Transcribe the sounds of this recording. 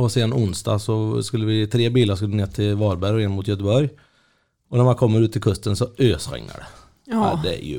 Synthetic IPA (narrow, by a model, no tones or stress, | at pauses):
ɔseːd̪anʊnsd̪ɑ̰ːsɔskɵlːəvɪt̪ʰɾeːbiːlaɾʂskɵləneːt̪ʰɪlvɑːɾbæɾɔɛnmʊt̪jœt̪̬əbɔɾj | ɔnæɾmankʰɔmːəɾʉ̟t̪ʰːɪlkʰɵst̪ənsɔøːsɧɛ̰ŋːa̰ɖɛ̰ | d̪ɛæ̰jɵ̰